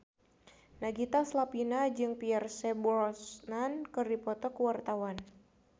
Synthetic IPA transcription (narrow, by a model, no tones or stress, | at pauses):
naɡit̪aslapinad͡ʒɨŋpiɛrsɛbɾɔsnankɨrdipɔt̪ɔkəwart̪awan